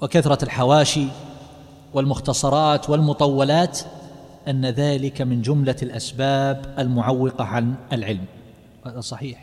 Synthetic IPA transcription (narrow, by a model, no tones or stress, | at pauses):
wɪkaθɾˤɑlħawaːʃi | wɪlmʊxt̪ɑsˤɑɾˤɑːt̪wɪlmʊt̪ˤɑwːɑlaːt̪ | ʔanːaðaːlɪkamɪnd͡ʒʊmlalʔasbaːbʔalmʊʕawːɪqɑʕanalʕɪlm | haːðasˤɑħiːħ